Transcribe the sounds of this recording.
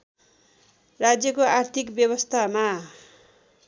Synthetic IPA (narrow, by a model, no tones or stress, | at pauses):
rad͡zjʌkoart̪ʰikbjʌβʌst̪ʰama